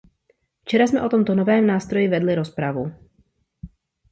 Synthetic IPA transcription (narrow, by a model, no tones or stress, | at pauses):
ft͡ʃɛɾasmɛʔo̞t̪o̞mt̪onovɛːmnaːst̪ɾo̞jɪvɛdlɪɾo̞spɾavu